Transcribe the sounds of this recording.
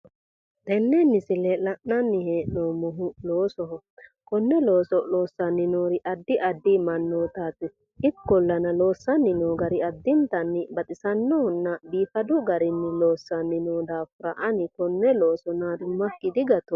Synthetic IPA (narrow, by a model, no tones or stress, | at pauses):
t̪ɛnːɛnːɪsɪlɛlɐʔnɐnːɪheːʔnomʊɦʊloːsɔɦɔ | kɔnːɛloːsɔloːsːɐnɪnoːɾɪʔɐd̪ːɪʔɐd̪ːimɐnːoːt̪aːt̪ɪ | ɪkːɔlːɐnɐloːsːɐnɪnoːɡɐɾɪɐd̪ːɪnt̪ɐnːɪbɐt̪ʼɪsɐnːɔhɔnːɐbiːfɐd̪ʊɡɐɾɪnːɪloːsːɐnːɪnoːd̪aːfʊɾɐʔɐnɪkɔnːɛloːsɔnad̪ʊmːɐkːɪd̪ɪɡɐt̪ɔ